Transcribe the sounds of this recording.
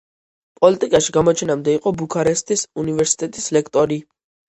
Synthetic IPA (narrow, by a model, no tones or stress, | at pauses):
pʼɔlit̪ʼikʼaʃiɡamɔt͡ʃʰɛnamd̪ɛiqʼɔbukʰaɾɛst̪ʰʼisunivɛɾsi̥t̪ʼɛt̪ʼislɛkʰt̪ʼɔɾi